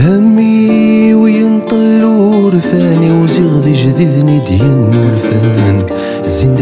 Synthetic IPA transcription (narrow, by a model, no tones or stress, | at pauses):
hæmːiwjənt̪ˤəlːuɾfæniwziɣðˤiʒðəd̪nid̪jənːulfæn | zind̪